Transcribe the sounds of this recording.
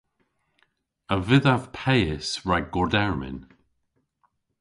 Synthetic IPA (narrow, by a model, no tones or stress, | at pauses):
əvɪðav̥pʰɛjɪsɹaɡɔdɛɹmɪ̰n